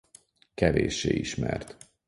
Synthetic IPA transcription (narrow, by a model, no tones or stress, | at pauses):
kɛveːʃːeːiʃmɛrt̪